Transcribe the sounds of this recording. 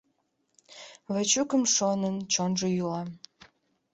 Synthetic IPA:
βət͡ɕukəmʃonənt͡ɕonʒəjylɑ

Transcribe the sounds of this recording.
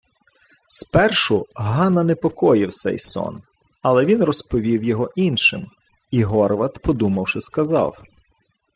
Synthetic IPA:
spɛrʃʊɦɑnɐnɛpɔkɔjɪwt̪sɛ̰jsɔ̰n | ɐlˠɛʋʲinrɔspɔʋʲiwjɔɦɔʔinʃɪm | iɦɔɾʋɐt̪pɔd̪umɐwʃɪskɐzɑ̰w

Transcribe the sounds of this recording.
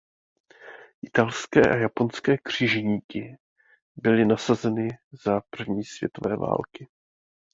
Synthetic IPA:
ʔɪt̪alskɛːʔajapo̞nskɛːkr̝̥ɪʒɛɲiːkɪ | bɪlɪnasazɛnɪzapr̩vɲiːsv̥ʲjɛ̰t̪o̞vɛ̰ːva̰ːlkɪ

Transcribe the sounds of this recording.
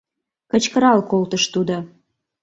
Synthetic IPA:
kə̆t͡ɕkəɾɑlkolt̪əʃt̪ud̪o

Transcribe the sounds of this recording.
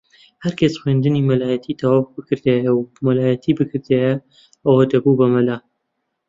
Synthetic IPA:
hɐɾkʰɐsxweːnd̪ɨniːmɐlaːjɐt̪ʰit̪ʰɐwaːvbɨkɨɾd̪ejɐwmɐlaːjɐt̪ʰibɨkʰɨɾd̪ejɐ | ɐwed̪ɐbubɐmɐlaː

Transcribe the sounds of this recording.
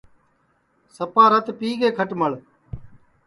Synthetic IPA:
səpaːɾət̪piːɡeːkʰəʈməɭ

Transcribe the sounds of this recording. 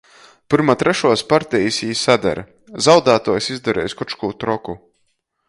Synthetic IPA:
pɨɾmat̪ɾɛʃuɔspaɾt̪ɛjisʲiːsad̪ɛ̰ɾɐ | zawd̪aːt̪uɔjsizd̪ɛɾɛ̰ːjskut͡ʃkuːt̪ɾɔku

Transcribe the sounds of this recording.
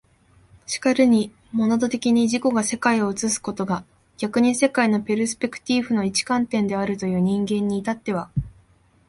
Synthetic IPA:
ɕi̥kaɾɯ̟ɲ̟i | mo̞nad̪o̞t̪e̞kʲiɲ̟iʑiko̞ɡase̞kaio̞ɯ̟t͡sɨsɨ̥ko̞t̪o̞ɡa | ɡ̥ʲakɯ̟ɲ̟ise̞kaino̞peɾɯ̟sɨ̥pʲe̞kɯ̟̥t̪ʲiɸɯ̟no̞it͡ɕi̥kãnt̪ẽ̞nd̪e̞aɾɯ̟t̪o̞jɯ̟ːɲ̟ĩŋɡẽ̞ɲ̟ːiːt̪at̪ːe̞β̞a

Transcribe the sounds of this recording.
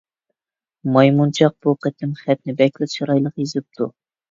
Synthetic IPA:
mɑjmunt͡ʃʰɑq̚b̥uqʰət̪ʰɪmχɛt̪nɪbɛkʲlɪʃɑɾɑjlˠəqjezɪp̚t̪ʰu

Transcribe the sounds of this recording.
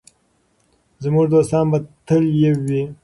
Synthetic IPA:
zəmuʐd̪ost̪ɑːnbat̪əljewi

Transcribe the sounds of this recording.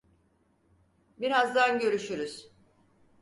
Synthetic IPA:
biɾazd̪anɟø̞ɾyʃyɾyz̥

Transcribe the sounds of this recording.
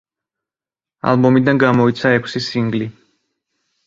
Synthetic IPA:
a̰lˠbɔmid̪anɡamɔit̪sʰaɛkʷʰsisiŋɡli

